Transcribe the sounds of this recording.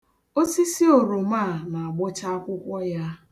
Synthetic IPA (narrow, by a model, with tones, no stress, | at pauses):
o˦si˦si˦o˨ɾo˨ma˦˨na˨a˨ɡ͡bʊ˦t͡ʃa˦a˦kʷʊ˦kʷɔ˦ja˦